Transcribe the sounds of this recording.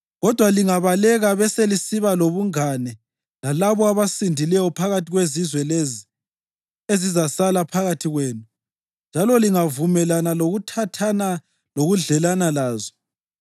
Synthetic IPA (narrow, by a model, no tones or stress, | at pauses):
ɣɔd̥ʱwaliŋaβalɛɣaβɛselisiβaloβuŋanɛ | lalaβɔaβasindʱilɛjɔpʰaɣatʰiɣwezizwɛlezi | ezizasalapʰaɣatʰiɣweːnu | nd͡ʒʱalɔliŋavumɛlanaloɣutʰatʰana | loɣuɮɛlanalaːzɔ̥